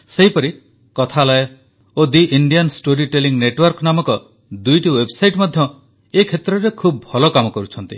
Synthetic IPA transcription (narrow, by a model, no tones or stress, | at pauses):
seɦipɔɾi | kɔt̪ʰalɔj | od̪iʔiɳɖijansʈoɾiʈeliŋneʈwɔɾkɔnamɔkɔ | d̪ujʈiwebsajʈmɔd̪ʱjɔ | ekʰet̪ɾɔɾekʰubɔbʱɔlɔkamɔkɔɾut͡ʃʰɔnt̪i